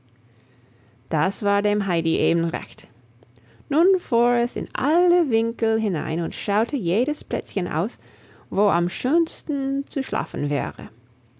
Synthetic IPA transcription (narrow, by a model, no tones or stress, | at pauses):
d̥asv̥aːɐdeːmɦaɪdiʔeːbn̩ʁɛ̰çt | nunfuːɛsɪ̰nʔa̰lləvɪŋkl̩ɦɪna̰ɪnʊntʃaʊtʰəjeːɾəspʰlɛ̰t͡sçənʔa̰ʊs | voːʔa̰mʃøːnstn̩t͡suʃla̰ːfn̩vɛ̰ːʁə̰